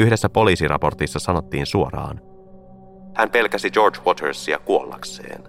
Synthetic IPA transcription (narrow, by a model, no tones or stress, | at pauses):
yhde̞sːæpo̞liːsirʔɑ̰po̞rt̪isːɑsɑno̞t̪ːiːnsuo̞ɾɑ̰ːn | hæmpe̞lkæsid͡ʒo̞rd͡ʒwot̪ʰeɹsiɑ̰kuolːɑ̰kse̞̰ːn